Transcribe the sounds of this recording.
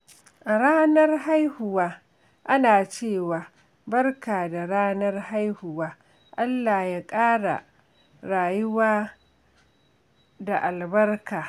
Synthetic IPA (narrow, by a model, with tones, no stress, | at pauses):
ʔa˨ɽaː˦nɐ˦rha˦jhʊ˨waː˦ | ʔa˦naː˨t͡ʃeː˦˨waː˨ | bɐ˦rkaː˨da˨ɽaː˦nɐ˦rha˦jhʊ˨waː˦ | ʔa˦lːa˨jaː˦kʼaː˦ɽa̰˨ | ɾaː˨jʊ˦waː˦ | da˨ʔa˨lbɐ˦rkaː˨